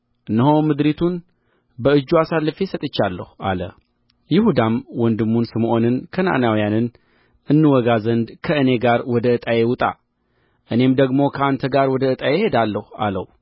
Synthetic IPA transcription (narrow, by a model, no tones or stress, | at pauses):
ʔɨnːəɦo̞mɨd̪ɾit̪ʰun | bəɨd͡ʒːuasalːfesət̪ʼɨt͡ʃːalːə̰hua̰lə̰ | jɪhud̪amwɔnd̪ɨmːunsɨmʔo̞nɨnkʰəna̰ʔnawijanɨn | ʔɨnːɨwɔɡazənd̪kʰəɨne̞ɡaɾwɔd̪əɨt̪ʼajewʊt̪ʼa̰ | ʔɨne̞md̪əɡmo̞kʰəant̪ʰəɡaɾwɔd̪əɨt̪ʼajehe̞d̪alːəhua̰lə̰w